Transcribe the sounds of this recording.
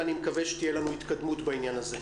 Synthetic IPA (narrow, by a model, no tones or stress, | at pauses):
animekaveʃe̥t̪ijelanuit̪kad̪mut̪bainjanaze